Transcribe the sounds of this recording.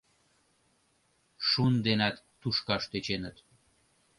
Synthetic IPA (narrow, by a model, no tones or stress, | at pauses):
ʃund̪enæt̪ːuʃkɑʃt̪et͡ɕenət̪